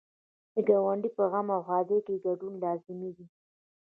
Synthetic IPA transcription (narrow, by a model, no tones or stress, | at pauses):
d̪əɡɑwaɳɖipəɣamawxɑːd̪ekeɡaɖunlɑzɪmiɡ̪i